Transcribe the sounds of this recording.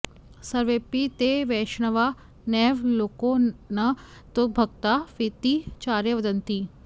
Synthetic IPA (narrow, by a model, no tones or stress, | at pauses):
sɐɾʋeːpit̪eʋɛːʃɳɐʋa | nɛːʋloːkonɐ | t̪obʱɐɡ̚t̪aʋit̪it͡ʃaːɾjəʋɐd̪ɐnt̪iː